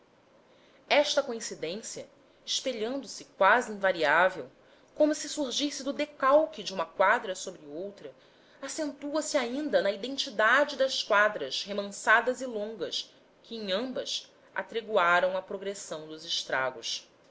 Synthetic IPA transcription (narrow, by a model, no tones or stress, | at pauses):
ɛʃt̪ɐkoĩsid̪ẽsiɐ | ɪʃpeʎɐ̃nd̪ʊsɪkwaziĩvaɾiavew | kõmʊsɪsuɾʒisɪd̪ʊd̪ekawkid͡ʒɪũmɐkwad̪ɾɐsobɾɪowt̪ɾɐ | asẽnt̪uɐsiaĩnd̪ɐnɐid̪ẽnt͡ʃid̪ad͡ʒɪd̪ɐʃkwad̪ɾɐshemɐ̃sad̪ɐzilõŋɡɐs | kʰɪẽŋ̃ɐ̃mbɐ̰s | ʔa̰t̪ɾeɡuaɾɐ̃w̃ɐpɾoɡɾesɐ̃w̃d̪ʊzɪʃt̪ɾa̰ɡʊs